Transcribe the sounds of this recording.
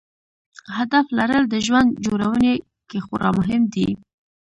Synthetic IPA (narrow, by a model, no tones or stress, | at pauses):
had̪aflaɾəld̪əʒwand̪d͡ʒoɾawəne | kexʊɾʔɑ̰mʊɦɪmd̪i